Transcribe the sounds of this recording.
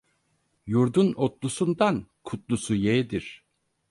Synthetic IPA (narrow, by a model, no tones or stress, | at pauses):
juɾd̪unot̪lˠusund̪ankʰut̪lˠusujed̪iɾ̥